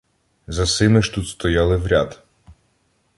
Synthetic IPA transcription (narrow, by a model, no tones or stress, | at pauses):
zɐsɪmɪʃt̪ut̪st̪ɔjɑlˠɪʋɾʲɑd̪